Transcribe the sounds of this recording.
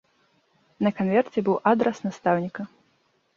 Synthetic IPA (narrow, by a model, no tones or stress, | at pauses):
nɐkanvʲɛrt͡sʲɛbɨwʔad̪ɾɛsnast̪awnʲikɐ